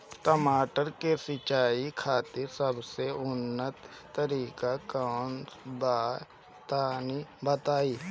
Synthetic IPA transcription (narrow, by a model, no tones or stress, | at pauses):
təmaːʈəɾkesɪt͡ʃaːikʰaːt̪ɪɾsəbseʊnːət̪ː | əɾiːkakaːnb̪aː | t̪aːnibət̪aːiː